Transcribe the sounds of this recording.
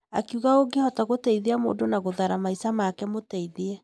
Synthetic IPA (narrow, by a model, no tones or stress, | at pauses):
a̰kuɣaoɡehɔtaɣotɛiðeamo̰ːndonaɣoðaɾamaisamakɛmotɛiðiɛ